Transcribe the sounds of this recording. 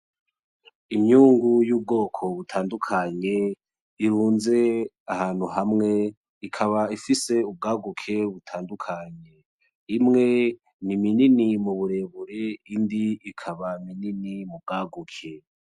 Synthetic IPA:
imɲuːŋɡujuːb̚ɡo̞ːkʰo̞βutʰaːndukʰaɲe̞ | iɾuːnze̞ | ahaːn̥huɦamŋe̞ | ikʰaβaifise̞ub̚ɡaːɡukʰe̞βutʰaːndukʰaɲe̞ | imŋe̞ | nimininimuβuɾe̞ːβuɾeindiikʰaβamininimub̚ɡaːɡukʰe

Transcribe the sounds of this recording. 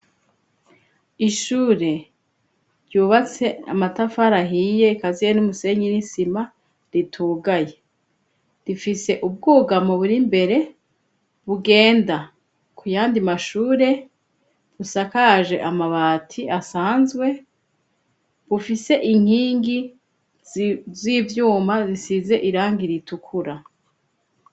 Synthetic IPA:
iʃuːɾe̞ | ɾjuːβat͡se̞a̰matafaɾaɦije̞kazijenumuse̞ɲinisima | ɾitʰuːɡaje̞ | ɾifise̞ʔub̚ɡuːɡamuβuɾimbe̞ɾe̞ | βuɡe̞ːnda | kʰujaːndimaʃuːɾe̞ | βusakaʒe̞̰ʔamaβaːtʰiasaːnzɡwe̞ | βufise̞ʔiŋ̥hiːŋɡi | viːvjuːmazisize̞ʔiɾaːŋɡiɾitukʰuɾa

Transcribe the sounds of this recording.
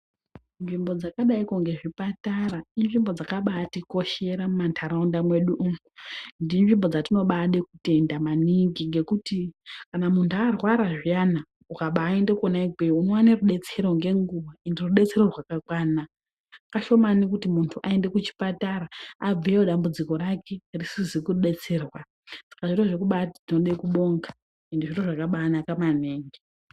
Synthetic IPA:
nʐimbo̞d͡zakaɗaikoŋɡe̞ʐipatarainʐimbo̞d͡zakaɓaːtiko̞ʃe̞ɾamumantʰaɾaundamwe̞ɗuʔuundinʐimbo̞d͡zatino̞ɓaɗekute̞ndamaniŋɡiŋɡe̞kutikanamuntʰuarwaɾaʐijana | ukaɓaːe̞nde̞konaiɡweuno̞waneruɗe̞t͡se̞ɾo̞ŋɡe̞ŋɡuʋaenderuɗe̞t͡se̞ɾo̞rwakakwaːnaː | kaʃo̞manikutimuntʰuʔae̞nde̞kut͡ʃi̥pataɾaab͡viwoɗambud͡ziko̞ɾake̞risizikuruɗe̞t͡se̞ːrwa | sḁkaʐiroʐek̬uɓatatino̞ɗaikuɓo̞ŋɡḁ | endeʐiro̞ʐakaɓaːnakamaneːŋɡi

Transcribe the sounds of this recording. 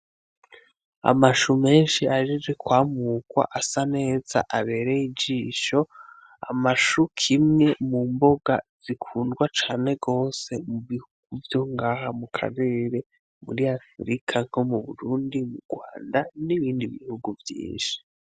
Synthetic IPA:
a̰maʃume̞ːnʃiaʒizekwaːmuːkwa̰ʔasane̞ːza̰ʔaβe̞ːɾejid͡ʒiːʃo̞ | a̰maʃukʰimŋe̞mumbo̞ɡaz̥ikʰuːndɡwat͡ʃaːne̞ɡo̞ːse̞muβihuɡ̥uvjo̞ŋɡaːɦamukʰa̰ɾe̞ːɾe̞ | mṵɾiafɾikʰaŋ̥ho̞muβuɾuːndimuɾɡwa̰ːndaniβiːndiβḭhuɡuvjḭːnʃi̥

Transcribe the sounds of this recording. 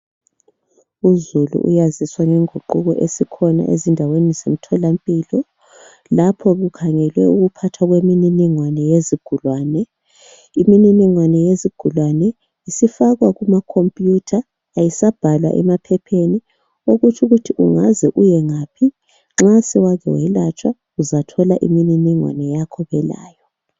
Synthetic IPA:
uzulṵʔṵjaziswaŋɛŋʱuǃuɣɔʔesikʰɔna̰ʔḛzindʱawenizem̩tʰɔlampʼiːlɔ | lapʰɔɣukʰaŋɛlwɛuɣupʰatʰwaɣwemininiŋwanɛjeziɡ̥ʱulwaːnɛ | imininiŋwanɛjeziɡ̥ʱulwanɛ | isifaɣwaɣumakʰompʼjutʰaː | jisab̥ʱalwa̰ʔɛ̰mapʰɛpʰeni | oɣut͡ʃʰʼuɣutʰiʔuŋazɛʔujɛŋaːpʰi | ŋ͡ǁasɛwaɣɛ̰wɛlat͡ʃʼwa | uzatʰɔlaʔḭmininiŋwa̰nɛjakʰɔβɛla̰ːjɔ

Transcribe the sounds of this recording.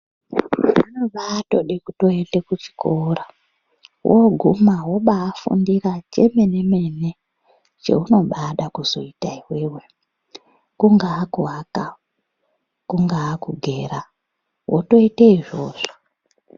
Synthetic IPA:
anoɓaːto̞ɗekuto̞ende̞kut͡ʃi̥kora | wʔoɡʱumaɦoɓaːfṵndirat͡ʃe̞̰me̞ne̞me̞ne̞ | t͡ʃe̞̰uno̞ɓaɗakuzo̞̰itaiwewe̞ | kuŋɡaːkuɦaka | kuŋɡaːkuɡʱe̞ːɾa | wʔo̰to̞iteiʐo̞ːʐo

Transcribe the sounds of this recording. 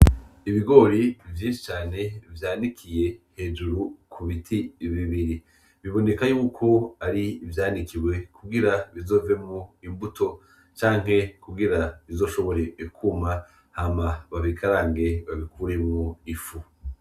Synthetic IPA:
iβiɡo̞ːɾivjĩːnʃi̥t͡ʃaːne̞vjaːnikʰije̞he̞ːd͡ʒuɾukʰuβitʰiβiβiɾi | βiβo̞ne̞kajuːkʰo̞aɾiːvjaːndikʰiwe̞kʰuɡiɾaβizo̞ːve̞muimbuto̞ | t͡ʃaːŋ̥he̞kuɡiɾaβizo̞ːʃo̞βo̞ɾe̞kʰuma | haːmaβaβikaɾaːŋɡe̞βaβikʰuːɾe̞muifu

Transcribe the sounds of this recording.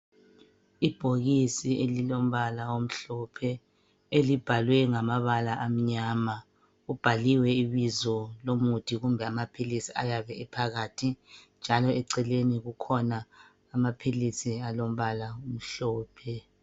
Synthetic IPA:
ib̥ʱoɣisiʔelilom̩βalawom̩ɬɔpʰɛ | elib̥ʱalwɛŋamaβalaʔam̩ɲaːma | ub̥ʱaliwɛiβizɔlomutʰʼiɣumbʱɛamapʰilisiajaβɛɛpʰaɣatʰind͡ʒʱalɔɛǀɛleniɣukʰɔnaː | mapʰilisialom̩βalaum̩ɬɔːpʰɛ

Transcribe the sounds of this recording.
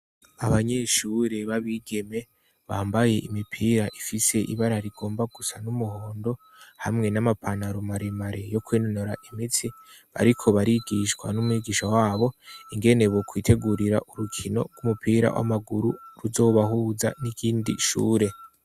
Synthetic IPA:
aβaɲe̞ʃuːɾe̞βaβiːɡe̞me̞ | βaːmbaje̞ʔimipʰiːɾaʔifise̞ʔḭβaɾaɾiɡ̥o̞ːmbaɡusanumuho̞ːndo̞ | hamŋe̞namapʰanaɾumaɾemaɾejo̞kweːnonoɾaʔimit͡si | βa̰ɾikʰo̞βaɾiɡiʃkwa̰numuwiɡiʃawaːβo̞iŋɡe̞ne̞βokwiːtʰe̞ɡuɾiɾa̰ʔuɾukʰino̞̰ɡɡwumupʰiːɾa̰wʔa̰maɡuɾuɾuzo̞ːβaɦuːza̰nikʰiːndḭʃṵːɾe̞

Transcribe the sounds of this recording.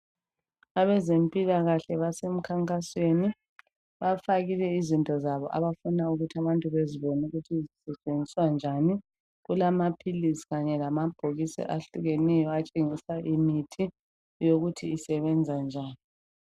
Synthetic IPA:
aβɛzempʼilaɣaɬɛβasem̩kʰaŋkʼasweni | βafaɣilɛizintʼɔzaβɔʔa̰βafunauɣutʰaβantʼuβeziβɔnuɣutʰizisɛt͡ʃʼend͡zʱiswand͡ʒʱani | ɣulamapʰilisi̥ɣaɲɛlamab̥ʱoɣisɛ̰ʔaɬuɣenɛjɔat͡ʃʼeŋisaʔimitʰi | joɣutʰiːsɛβɛnd͡zʱand͡ʒʱaːni

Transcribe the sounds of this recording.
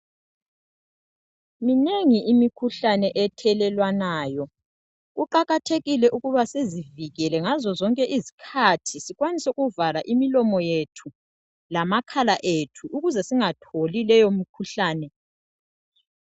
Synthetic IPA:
mineŋiʔimikʰuɬanɛʔɛtʰɛlɛlwanaːjɔ | ɣuǃaɣatʰeɣilɛʔuɣuβaseziviɣɛlɛŋazɔzɔŋkʼɛʔizikʰatʰisiɣwanisɣuvalaʔimilɔmɔjetʰu | lamakʰalaʔetʰuʔuɣuzɛsiŋatʰolilɛjom̩kʰuɬaːnɛ

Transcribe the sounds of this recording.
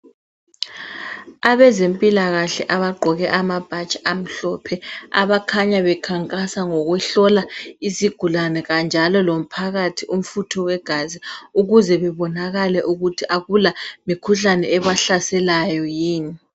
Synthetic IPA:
aβɛzempʼilaɣaɬɛʔaβaɡ͡ǃʱɔɣɛʔamab̥ʱat͡ʃʼam̩ɬɔpʰɛa̰βakʰaɲaβɛkʰaŋkʼasaŋɔɣwɛɬɔlaiziɡ̥ʱulanɛɣand͡ʒʱalɔlom̩pʰaɣatʰiʔum̩futʰɔwɛɡ̥ʱaziuɣuzɛβɛβɔnaɣalɛʔuɣutʰiʔaɣulamikʰuɬanɛ̰ɛβaɬasɛlajɔjiːni

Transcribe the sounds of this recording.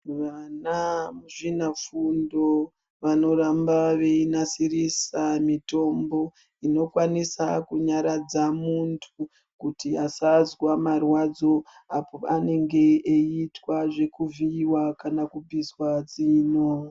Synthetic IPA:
ʋanamuʐinafundo̞ | ʋano̞ɾambaʋe̞inasirisamito̞mbo̞ | ino̞kwanisa̰kuɲaɾad͡zamuntʰu | kutiasazwamarwad͡zo̞ | apoane̞ŋɡe̞ːitwaʐe̞kuviwakanakubʱizwad͡ziːno̞

